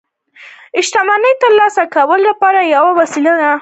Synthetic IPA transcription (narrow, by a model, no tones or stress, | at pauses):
ɪʃt̪amanəjt̪əɾlɑsakawəlːapɑɾajawawasilad̪a